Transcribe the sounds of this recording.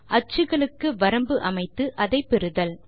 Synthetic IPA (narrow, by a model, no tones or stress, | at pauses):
ʔɐt͡ʃːɯɣɐɭɯkːɯʋɐɾɐmbɯʔɐmɐɪt̪ːɯʔɐðɐɪpːɛɾɯðɐl